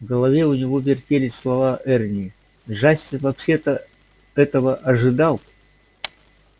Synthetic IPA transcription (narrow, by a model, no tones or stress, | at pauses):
vɡəlˠɐvʲe̞ʊnʲɪvo̞vʲɪrtʲelʲɪsʲslˠɐvaʔɛrnʲɪ | ʐasʲːɪnvɐpɕet̪ə | ɛt̪əvəʔɐʐɨd̪ɑlˠ